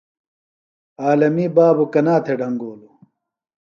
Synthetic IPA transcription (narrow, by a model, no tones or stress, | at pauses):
aːlɐmibaːbukɐnaːt̪ʰeɖʱɐŋɡoːlu